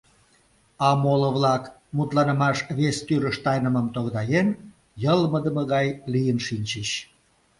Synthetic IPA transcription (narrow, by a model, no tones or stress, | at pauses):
ɑmoləβlɑk | mut̪lɑnə̆mɑʃβest̪yɾəʃt̪ɑjnəməmt̪oɣd̪ɑjen | jəlməd̪əməɣɑjlijənʃinʲt͡ɕəɕ